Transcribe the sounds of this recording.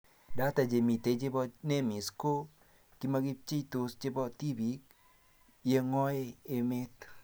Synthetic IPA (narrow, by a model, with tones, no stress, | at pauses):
da˦ta˨d͡ʒe˨mi˨t̪e˨˦t͡ʃɪ˦bɔ˦ne˦mi˨sko˦ | ki˦ma˦ɡi˦p̚t͡ʃe˦it̪o˨st͡ʃɪ˦bɔ˦t̪i˦bi˨k | je˦ŋɔ˦e˦e˨me˦t̪